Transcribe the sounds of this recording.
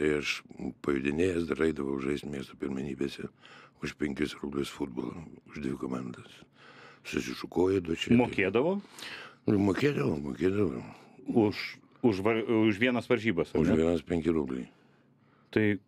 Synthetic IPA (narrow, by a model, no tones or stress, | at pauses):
t̪ɐɪɐʃpɐjʊd̪ʲɪnʲeːjɛsd̪ɐɾɐɪd̪ɐʋɐʊʊʒɐɪsʲt̪ʲmʲiɛst̪opʲɪɾʲmʲɛnʲiːbʲeːsʲɛʊʃpʲɛŋʲkʲɪsrʊbʲlʲʊsfʊd̪̚boːlˠɐ̰ʊʒd̪ʲʋʲɪkoːmand̪ɐs | sʊsʲɪʃʊkoːjʊd̪ot͡ʃʲɛmoːkʲeːd̪ɐʋoː | moːkʲeːd̪ɐʋoːmoːkʲeːd̪ɐʋoːʊʃ | ʊʃʋɐʊʃʋʲiɛnɐsʋɐɾʲʒʲiːbɐsɐʊʃʲɛʋʲiɛnɐspʲɛŋʲkʲɪɾʊbʲlʲɛj | t̪ɐɪ